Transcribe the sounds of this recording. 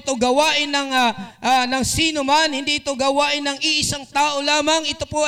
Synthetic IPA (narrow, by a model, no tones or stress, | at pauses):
t̪oɡɐwaːʔɪnɐŋaʔanɐŋsiːnomanhɪnd̪iʔɪt̪oɡɐwaːʔɪnːɐŋʔɪʔɪsaŋt̪aːʔolaːmɐŋʔɪt̪opo